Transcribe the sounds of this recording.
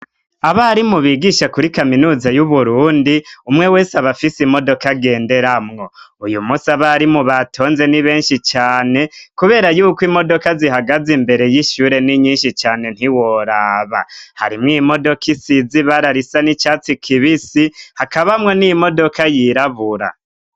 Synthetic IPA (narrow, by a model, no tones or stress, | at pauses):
aβaɾimuβiɡiʃakuɾikaminuːzajuβuɾuːndiumŋe̞we̞ːsaβafisimo̞do̞kaɡe̞ːnde̞ɾamŋo̞ujumusaβaɾimuβatʰo̞ːnze̞niβe̞ːnʃit͡ʃaːne̞kuβe̞ːɾajuːkwimo̞do̞kazihaɡazimbe̞ɾe̞jiʃuːɾe̞niɲiːnʃit͡ʃaːne̞n̥hiwo̞ɾaːβa̰ha̰ɾimŋimo̞do̞kisiziβaɾaɾisanit͡ʃat͡sikʰiβisihakaβamŋo̞nimo̞do̞kajiɾaβuɾa̰